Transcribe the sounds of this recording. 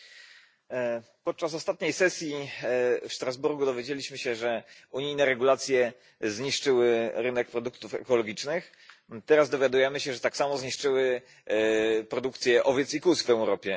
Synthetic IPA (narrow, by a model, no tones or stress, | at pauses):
pɔt̪̚t͡ʂas̬ɔst̪at̪̚ɲejsɛsʲji | fʂt̪ɾazbuɾɡud̪ɔvʲjed͡ʑelʲiɕmɘɕɛʐɛuɲijnɛɾɛɡulat̪sʲjɛ | zɲiʂt͡ʂɘwɘɾɘnɛk̚pɾɔd̪uk̚t̪ufɛ̰kɔlɔɡʲit͡ʂnɘx | t̪ɛɾazd̪ɔvʲjad̪ujɛmɘɕɛʐɛt̪aksamɔzɲiʂt͡ʂɘwɘ | pɾɔd̪ukt̪sʲjɛʔɔvʲjɛt̪sikusvɛwɾɔpʲjɛ